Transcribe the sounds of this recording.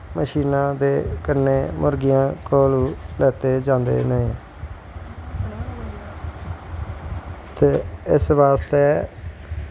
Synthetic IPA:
məʃiːnãːd̪eːkənːeːmʊɾɡɪjãːkoːluːlɛːt̪eːd͡ʒãːnd̪ḛːnəẽ | t̪eːɪsʋaːst̪eː

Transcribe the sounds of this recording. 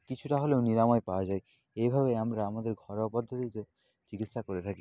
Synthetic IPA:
kit͡ɕʰuʈaɦoleoniɾamɔepaoad͡ʑae | ejbʱaβeamɾaamad̪eɾɡʱɔɾopɔd̪ʱːot̪it̪o | d͡ʑiɡit̪ʃakoɾet̪ʰaki

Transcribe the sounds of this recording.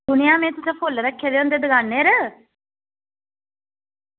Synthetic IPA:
d̪ʊnijaːmẽːt̪ʊseːpʰolːɾəkʰːeːd̪eːõnd̪eːd̪əɡanːeːɾə

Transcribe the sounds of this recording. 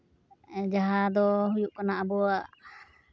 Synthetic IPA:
d͡ʒaɦad̪ɔɦujuʔkanaʔabɔaʔ

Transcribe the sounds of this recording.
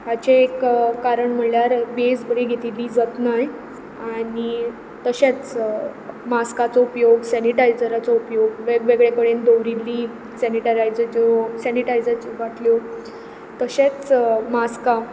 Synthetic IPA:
at͡ɕeekːaɾəɳm̤əɳljaɾbesbəɽeɡʱet̪ilːiːd͡zət̪naj | aɽi | t̪əɕet͡s | maskat͡sɔupjoɡsɛniʈajd͡zəɾat͡sɔupjoɡʋeɡʋeɡɭekəɽend̪oʋɾilːiː | sɛniʈəɾajd͡zəd͡ʑsɛniʈajd͡zat͡ɕiʋaʈljo | t̪əɕet͡smaska

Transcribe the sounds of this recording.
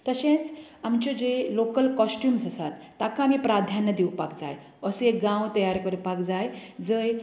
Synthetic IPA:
t̪əɕẽt͡samt͡ɕod͡ʑelokəlkɔsʈjuːmsasat̪ːakaamiːpɾad̪ʱjanːəd̪iwpakd͡za̰j | əsuek̚ɡãwt̪əjaɾkəɾupakd͡zajd͡zəj

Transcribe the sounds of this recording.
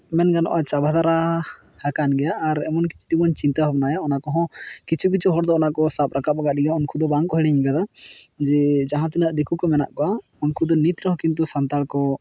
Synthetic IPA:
mɛnɡanɔ̰ʔat͡ʃabʱad̪aɾa | hakanɡɛjaʔːɾɛ̰mɔnkiki̥t̪imɔɲt͡ʃint̪abʱap̚najaɔnakɔɦɔ̃kit͡ʃʰuk̬it͡ʃʰuɦɔɽd̪ɔɔnakɔsap̚ɾakap̚aɡaʔɖijaɔnkʰud̪ɔbaŋkɔɦɛɽɛɲĩɡad̪ad͡ʒɛd͡ʒaɦãt̪̬ɛnaʔd̪ekʰukɔmɛna̰ʔkɔwa | ɔnkʰud̪ɔnit̪ɾɔɦɔ̃kint̪̬usant̪alkɔ

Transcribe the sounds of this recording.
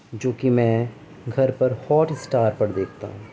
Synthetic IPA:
d͡ʒoːkimɛ̃ː | ɡʱɐɾpɐɾhɔːʈɪsʈaːɾpɐɽd̪eːkʰt̪a̰ɦũː

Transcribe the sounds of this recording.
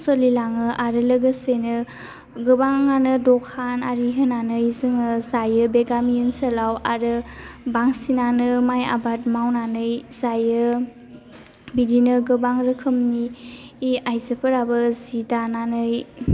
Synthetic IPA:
səlilaŋɯʔaɾɯləɡəsenɯ | ɡɯbaŋːanɯdɔkʰanaɾiɦɯnanɯjzɯŋɯzajɯbeɡamijənsəlawaɾɯbaŋsinanɯmaja̰bat̚mawnanɯjzajɯ | bidinɯɡɯbaŋɾɯkʰɯmniː | ajzəpʰɯɾabɯzidananɯj

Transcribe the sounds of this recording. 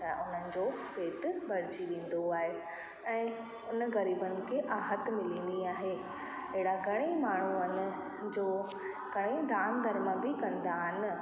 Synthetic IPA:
t̪ɐʔʊn̤ənɪ̆d͡ʑoːpeːʈ̪bʱɐɾ̤ɪd͡ʑiʋẽːn̆d̪oaːɦe | ɛ̃ː | ʊnəɣɐɾiːbənɪ̆kʰeʔaːɦət̪mɪlĩːn̆d̪iaːɦe | ɐɦɪɽaɡʱɐɽ̃ẽmaːɳ̤uənɪ̆ | d͡ʑoː | ɡɐɽ̃ẽd̪aːmd̪ʱɐɾməbɪkɐ̃nd̪aɦɪnɪ̆

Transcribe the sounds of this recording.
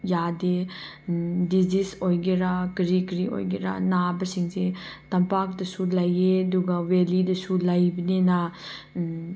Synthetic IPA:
jade | dizisojɡeɾakɾikɾio̰jɡeɾa̰nabɐsiŋsetɐmpak̚dɐsulɐjeduɡɐwelidɐsulɐjbɐnena

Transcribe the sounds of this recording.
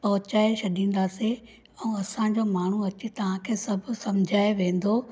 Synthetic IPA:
pɐɦʊt͡ɕaːeʃɐɗĩːn̆d̪aːse | ɛ̃ɐsãd͡ʑomaːɳ̤uɐt͡ɕet̪ɐʋ̤ãkʰeːsɐbʱʊ̆sɐmd͡ʑʱaːeʋẽːn̆d̪oː

